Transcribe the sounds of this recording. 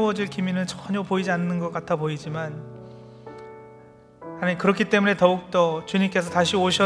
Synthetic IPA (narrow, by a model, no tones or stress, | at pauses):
ʌd͡ʑiɭkiminɯɭt͡ɕʌɲʌpoid͡ʑianːɯnɡʌk͈atʰaboid͡ʑiman | annkɯɾʌkʰit͈e̞mune̞tʌuk̚t͈ʌt͡ɕuɲimk͈e̞sʰʌtaɕʰioɕʰʌ